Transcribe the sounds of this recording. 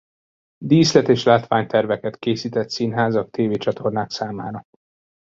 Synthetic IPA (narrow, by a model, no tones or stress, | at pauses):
d̪iːslɛt̪eːʃlaːt̪ʋaːɲt̪ɛrvɛkɛt̪keːsiːt̪ɛt̪sinɦaːzɒk̚t̪eːveːt͡ʃɒt̪ʰo̞rnaːksaːmaːɾɒ